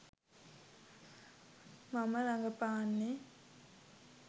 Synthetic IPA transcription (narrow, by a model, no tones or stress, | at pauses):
maməɾaŋɡəpaːnːe